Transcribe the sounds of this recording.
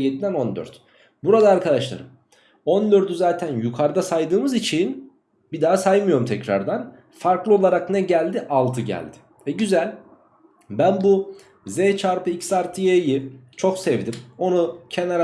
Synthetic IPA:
jed̪id̪æno̞nd̪ø̰ɾt̪ | buɾad̪aːɾkʰad̪aʃlˠa̰ɾɯm | ond̪øɾt̪yzaːt̪ʰænjukʰaɾd̪asajd̪ɯːmɯzit͡ʃʰin | bid̪aːasajmɯjo̞ɾumt̪ʰɛcɾa̰ɾd̪an | faɾklˠɯo̞lˠaɾaknɛɟælʲd̪iʔalˠt̪ʰɯɟæ̰lʲd̪̥ɪ̥ | ɛɟyzælʲ | bænbu | zet͡ʃʰaɾpɯicsaɾt̪ʰɯjejit͡ʃʰo̞ksɛvd̪imo̞nucʰɛnaɾ

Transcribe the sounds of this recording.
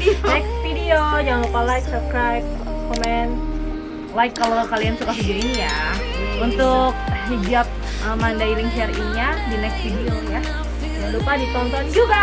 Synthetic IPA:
nɛksfidiojaŋlupalajk̚səskɾajp̚kɔmɛn | laɪkːalokaliansukafid͡ʒiɪŋja | unt̪ʊk̚ɦid͡ʒap̚ | əmandaiɾɪŋʃɛriŋɲadinɛksfidioja | daŋlupadit͡ʃɔnt̪ɔnd͡ʒuɡa

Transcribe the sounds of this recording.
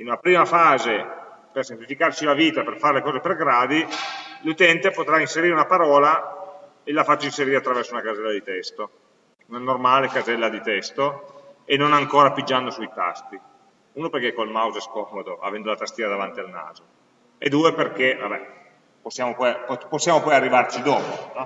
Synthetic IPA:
inunapɾiːmafaːze | persemplifikart͡ʃilaviːt̪aperfaɾelekɔːzeperɡɾaːd̪ilut̪ɛnt̪epot̪ɾainseɾiːɾeunapaɾɔːla | elafat͡ʃːoinseɾiːɾeat̪ːɾavɛrsounakazɛlːad̪it̪ɛst̪o | unanormaːlekazɛlːad̪it̪ɛst̪oenːonaŋkoːɾapid͡ʒːand̪osuit̪a̰st̪i | uːnoperk̟ekːolmawzeskɔːmod̪oʔa̰vɛnd̪olat̪ast̪iːad̪avant̪ialna̰ːzo | ḛd̪uːeperk̟evabɛ | posːjaːmopɔjpposːjaːmopɔjarːivart͡ʃid̪ɔːponɔ

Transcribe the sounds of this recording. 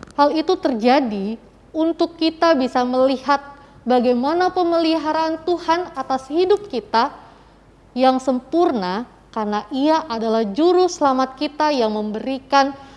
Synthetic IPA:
halit̪ut̪ərd͡ʒadi | unt̪ʊkːit̪abisaməlihat̪̚ | baɡajmanapəməliɦaɾaːnt̪uhanat̪ashidʊp̚kit̪a | jaŋsəmpurna | karnaʔiaʔːdalahd͡ʒuɾʊsəlamat̪̚kit̪ajaŋməmbəɾikan

